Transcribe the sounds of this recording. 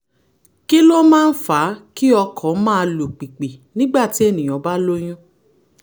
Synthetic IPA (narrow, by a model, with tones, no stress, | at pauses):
ki˦lo˦mãː˦˧n̩˦fa˨˦ki˦ɔ˧kʰɔ˨˦mãː˦˧lo˨k͡pi˨k͡pe˨nĩ˦ɡ͡ba˦˨ti˨˦e˦˨nĩ˨j̃ɔ̃˨˦ba˦lo˦j̃ũ˦